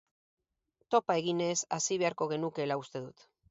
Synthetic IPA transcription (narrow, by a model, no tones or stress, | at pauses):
t̪o̞pae̞ɣine̞sasiβ̞e̞aɾko̞ɣ̞e̞nuke̞laust̪e̞ðut̪